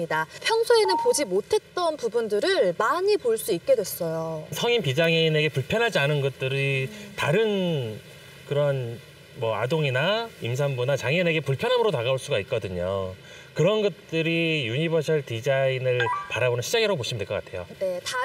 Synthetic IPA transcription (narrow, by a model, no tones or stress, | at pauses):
idapʰjʌŋsʰoe̞nɯnpod͡ʑimotʰe̞t̚t͈ʌnpubundɯɾɯɭmaɲipoɭs͈uik̚k͈e̞dwe̞s͈ʌjosʰʌŋimpid͡ʑaŋeine̞ɡe̞puɭpʰjʌnɦad͡ʑianɯnɡʌt̚t͈ɯɾitaɾɯn | kɯɾʌn | mʌa̰doŋinaims̬ʰaŋbunat͡ɕaŋʌne̞ɡe̞puɭpʰjʌnɦamɯɾonaɡaoɭs͈uɡaik̚k͈ʌdɯɲo | kɯɾʌnɡʌt̚t͈ɯɾijuɲibʌsʰʌɭtid͡ʑainɯɭpaɾabonɯnɕʰid͡ʑaŋiɾaɡopoɕʰimɯndweɭk͈ʌk͈atʰe̞jo̰ne̞ta